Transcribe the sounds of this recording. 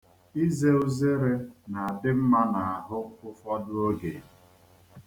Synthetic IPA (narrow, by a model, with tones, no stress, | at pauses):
i˦ze˦ʊ˦ze˦ɾe˦na˨a˨dɪ˦m̩˦ma˦na˨a˨ɦʊ˦kʊ˦fɔ˦dʊ˦o˦ɡe˨